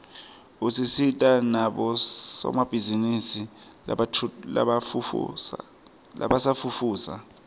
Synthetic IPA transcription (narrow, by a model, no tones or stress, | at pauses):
usisitʼanaɓɔsɔ̰mab̥ʱizinisi | la̰ | la̰ɓasafufuːsa̰